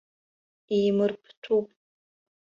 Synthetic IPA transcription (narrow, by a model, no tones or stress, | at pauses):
iːmɨrpʰtʰupʼ